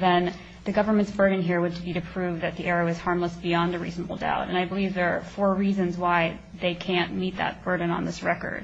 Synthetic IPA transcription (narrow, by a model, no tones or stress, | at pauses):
ðɨ̃n | ðɨɡʌvə˞mɨ̃ntsb̥ɜ˞dⁿn̩ɦiɹwəd̚tʰɨbiɾɨpʰɹ̥ʉvðɨt̪̚ðiʔɛɹoʊɨz̥hɑɹmləsb̥iɑ̃nɨɹḭznəbl̩ˠda̰ʊɾɨ̃naɪbəlivðə˞əfɔɹɹizɨ̃nzwaɪ | ðeɪkʰæ̃nmit̪̚ðə̰t̚b̥ɜ˞d̃ⁿn̩ə̰̃nðɪsɹɛkə̰˞d̥̚